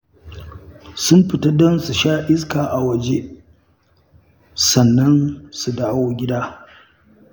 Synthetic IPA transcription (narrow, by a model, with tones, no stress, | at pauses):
sʊ˦mɸɪ˨ta˦dɐ˦nsu˨ʃaː˦ʔɪ˦skaː˨ʔa˨wɐ˨d͡ʒe˦ | sɐ˨nːɐ˦nsu˨daː˦wo˦ɡʲɪ˦daː˦